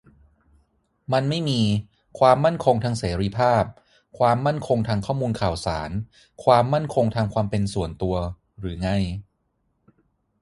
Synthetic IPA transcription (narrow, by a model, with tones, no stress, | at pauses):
ma˧nma˥˩jmiː˧ | kʰwaː˧mːa˥˩nkʰo˧ŋt̪ʰaː˧ŋseː˩˦ɾi˧pʰaː˥˩p̚ | kʰwaː˧mːa˥˩nkʰo˧ŋt̪ʰaː˧ŋkʰɔː˥˩muː˧nkʰaː˨˩wsaː˩˦n | kʰwaː˧mːa˥˩nkʰo˧ŋt̪ʰa˧mkʰwaː˧mpe˧nsu˨˩ənt̪u˧ɐ | ɾɯː˩˦ŋa˧j